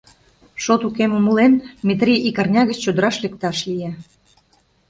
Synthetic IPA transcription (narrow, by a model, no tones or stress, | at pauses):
ʃot̪ukeməmulenmʲet̪rʲiikɑrnʲɑɣət͡ɕt͡ɕod̪əɾɑʃlek̚t̪ɑʃlije